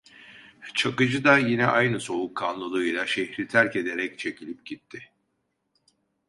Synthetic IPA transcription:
t͡ʃʰakɯd͡ʒɯd̪ajinɛʔajnɯso̞βukʰːanlˠɯlˠɯjlˠaʃehɾit̪ʰæɾce̞d̪e̞ɾɛc̚t͡ʃʰe̞cilʲip̚ɟit̪ʰːɪ

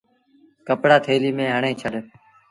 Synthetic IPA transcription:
kəpɽaːt̪ʰeːliːmẽːɦəɳẽːt͡ʃʰəɗ

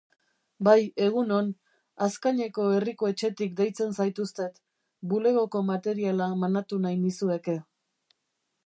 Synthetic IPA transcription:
baje̞ɣ̞uno̞n | askaɲe̞ko̞e̞rikoe̞t͡ʃe̞t̪ik̚d̪e̞jt͡se̞nsajt̪ust̪e̞t̪ | bule̞ɣ̞o̞ko̞mat̪e̞ɾialamanat̪unajnisue̞ke̞

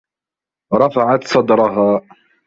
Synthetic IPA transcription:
ɾˤɑfaʕat̪sˤɑd̪ɾˤɑɦaː

